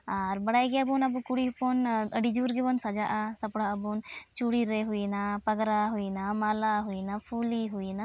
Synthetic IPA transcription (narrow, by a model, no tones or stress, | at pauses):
aɾbɐɽajkeɐbunɐbukuɽipɔnəɽid͡ʒuːɾɡipɔnsɐd͡ʒaʔasɐpɽaɐbunt͡ʃuɽiɾeɦuinapɐɡɾaɦuinamalaɦuinapʰuliɦuina